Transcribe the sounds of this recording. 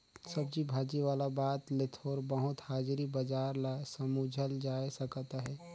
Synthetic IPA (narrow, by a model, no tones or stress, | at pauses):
sɐb̚d͡ʒibʱaːd͡ʒiʋaːlabaːt̪lɪt̪ʰoːɾbəɦʊt̪haːd͡ʒɾibɐd͡ʒaːɾlasəmud͡ʒʱəld͡ʒaːesɐkt̪aɦɛː